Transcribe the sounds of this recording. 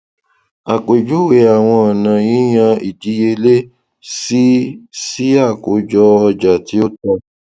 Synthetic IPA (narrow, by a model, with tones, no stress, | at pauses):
a˨k͡pe˨d͡ʒu˨˦we˨˦a˨w̃ɔ̃˧ɔ˨nã˨jĩ˨˦j̃ã˧i˨d͡ʒi˨˦je˧le˦ | si˦si˦a˦˨ko˨˦d͡ʒɔ˧ɔ˧d͡ʒa˨ti˨˦o˦tɔ˧